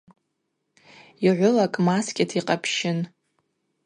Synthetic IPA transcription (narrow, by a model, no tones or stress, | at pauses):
iʕʷʊlakʼmaskʲʼɪtʰiqʼapʰʃɪn